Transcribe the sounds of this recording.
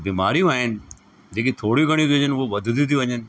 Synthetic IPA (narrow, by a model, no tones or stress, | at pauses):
biːmaːɾijũaːɦɪnɪ̆ | d͡ʑeːk̬it̪ʰoːɽjũɡʱɐɽ̃jũt̪ʰijõːd͡ʑənʊɦoʋɐd̪ʱʊt̪iũt̪ʰijʋɐɲənɪ̆